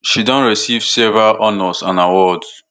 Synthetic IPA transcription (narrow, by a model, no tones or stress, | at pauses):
ʃidɔ̃nɹisivsevɹalʔɔnɔsãnawɔds